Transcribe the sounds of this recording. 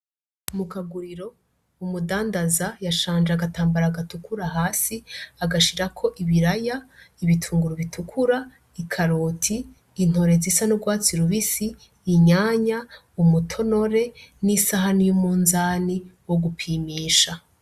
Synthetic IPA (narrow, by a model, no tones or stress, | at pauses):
mukaɡuɾiɾo̞ | umudaːndazajaʃaːnd͡ʒeaɡataːmbaɾaːɡatukʰuɾaɦaːsiaɡaʃiɾakʰo̞ʔiβiɾajaiβitʰuːŋɡuɾuβitʰukʰuɾa | ikʰaɾoːtʰiː | n̥ho̞ɾe̞zisanuɡwaːt͡siɾuβisiː | ɲaːɲa | umutʰo̞no̞ɾe̞nisaɦanijumuːnzaːniwoɡupʰiːmiːʃa